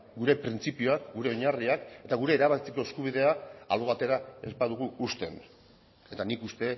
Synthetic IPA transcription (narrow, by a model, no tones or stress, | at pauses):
ɡuɾe̞pɾint͡sipioakɡuɾe̞o̞ɲariake̞t̪aɣuɾe̞ːɾaβakit͡seko̞eskuβ̞iðe̞aːloβat̪e̞ɾae̞spaðuɣ̞uust̪e̞̰n | e̞t̪anikust̪e̞